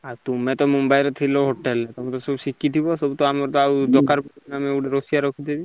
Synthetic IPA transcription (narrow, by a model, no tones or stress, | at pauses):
at̪umɛ̃t̪ɔmumbajɾɔt̪ʰilɔɦoʈelɛt̪ɔmɔt̪ɔsɔbsikːit̪ʰibɔsɔbut̪ɔamɔɾt̪ɔaud̪ɔkaɾpɔnamɛuɖeɾɔsijaɾɔkʰit̪ʰebi